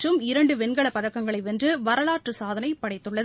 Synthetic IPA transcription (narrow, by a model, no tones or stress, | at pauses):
rɯmɪɾɐɳɖɯpɛnɡɐɭɐpɐðɐkːɐŋɡɐɭɐɪʋɛndrɯʋɐɾɐlaːʈrɯsaːðɐnɐɪpːɐɽɐɪt̪ːɯɭːɐð